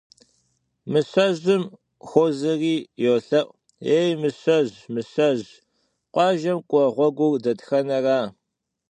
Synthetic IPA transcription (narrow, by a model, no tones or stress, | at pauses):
mɨsɐʑɨm | xʷozɨriːjoːɬɐʔʷ | eːjmɨsɐʑmɨsɐʑ | qʷʼɑːʒɐmkʷʼɔʁʷɔɡʷʊrdɐtxɐnɐraː